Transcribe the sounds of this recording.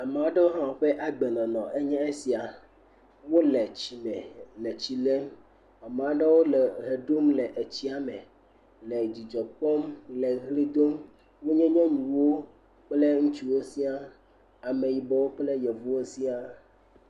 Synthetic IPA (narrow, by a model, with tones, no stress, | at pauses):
a˨mẽ˨a˦ɖe˦wo˦ɦã˦wo˨ɸe˦ʔa˦ɡ͡bɛ˨nɔ̃˨nɔ̃˨ʔe˦ɲɛ̃˦e˦si˨a˨ | wo˦lɛ˨t͡ɕi˨mɛ̃˨lɛ˨t͡ɕi˨lɛ˦ | a˨m˨a˨˦ɖɛ˦wo˦lɛ˨ɦe˨ɖo˦mlɛ˨ʔe˨t͡ɕi˦a˨mɛ̃˨ | lɛ˨d͡ʑi˨d͡ʒɔ˨k͡pɔ˦mlɛ˨ɣli˦d̪o˦m | wo˦ɲɛ̃˦ɲɛ̃˦ɲũ˨wo˦ | k͡plɛ˦ŋũ˦t͡ʃi˨wo˦si˦a˦ | a˨mẽ˨ji˨bɛ˦wo˦k͡plɛ˦jɛ˨vu˦wo˦si˦a˦